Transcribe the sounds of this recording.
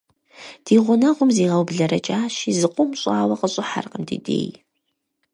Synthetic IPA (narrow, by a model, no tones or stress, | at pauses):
d̥iːʁʷʊnɐʁʷʊmziːʁɐwbɮɐɾɐt͡ʃʼaːʃizɨqʷʼʊmɕʼaːwɐqəɕʼɪħa̰rqəmdḭːdḛːj